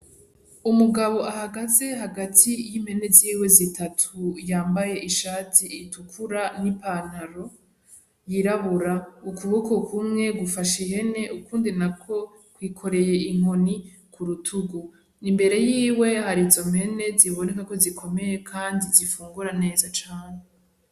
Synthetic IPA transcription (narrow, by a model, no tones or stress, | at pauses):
umuɡaβo̞ʔahaɡaze̞ɦaɡatʰijim̥he̞ne̞ziːwe̞zitʰatʰujaːmbaje̞ʔiʃaːtʰitukʰuɾanipaːnaɾo̞ | jiɾaβuɾaukuβoko̞kʰumŋe̞ɡufaʃehe̞ne̞ʔukuːndinakʰo̞ | kwiːkʰo̞ɾe̞je̞iŋ̥o̞ni | kʰuɾutʰuɡu | nimbe̞ɾe̞jiːwe̞haɾizo̞mhe̞ne̞ziβo̞nekako̞zikʰo̞me̞je̞kʰaːndizifuːŋɡuɾane̞ːzat͡ʃaːn̥e